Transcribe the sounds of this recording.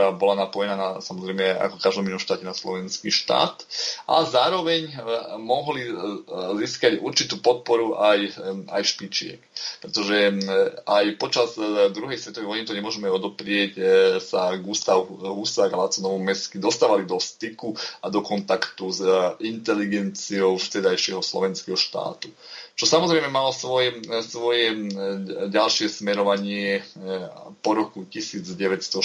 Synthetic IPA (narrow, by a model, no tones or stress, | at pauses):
ɾaːbɔlanapɔjɛnaːnasamɔzɾɛjmɛa̰kɔkaʒd̪ɔminuɔmʃt̪aːcɛnaslɔʋɛnskiːʃt̪a̰ːt̪ʔazaːɾɔʋɛɲmɔɦliziːskaɟṵɾt͡ʃit̪uːpɔt̪̚pɔɾuʔaja̰jʃpit͡ʃɪɛ̰kpɾɛt̪ɔʒɛ | ajpɔt͡ʃazd̪ɾuɦɛjsʋɛt̪ɔʋɛjʋɔjnit̪ɔɲɛmʊɔʒɛmɛɔd̪ɔpɾɪɛcsaɡuːst̪aʋuuːsaɡalat͡sɔnɔʋɔmɛskid̪ɔst̪aːʋalid̪ɔst̪ikuad̪ɔkɔnt̪akt̪uzint̪ɛliɡɛnt͡siɔʊst̪ɛd̪ajʃɪɛɦɔslɔ̰ʋɛnskɛɦɔʃt̪a̰ːt̪ut͡ʃɔsamɔzɾɛjmɛmalɔsʋɔjɛsʋɔjɛ | ɟalʃɪɛsmɛɾɔʋaɲɪɛ | pɔɾɔkucisiːd͡zɟɛʋɛt̪st̪ɔ